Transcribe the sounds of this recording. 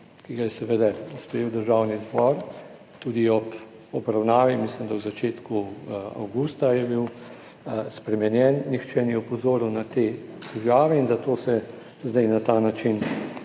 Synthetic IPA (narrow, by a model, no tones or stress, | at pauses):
kiɡajɛsɛʋed̪ɛspɾɛjewd̪əɾʒaːwnizbɔɾ | t̪uːd̪iɔp | ɔbɾawnaːʋimislimd̪awzat͡ʃeːt̪kua̰wɡuːst̪ajɛbiw | spɾɛmɛnjɛnnixt͡ʃɛniɛɔpɔzoːɾwnat̪eːt̪ɛʒaːʋɛinzat̪oːsɛ | zd̪ɛjnat̪anat͡ʃin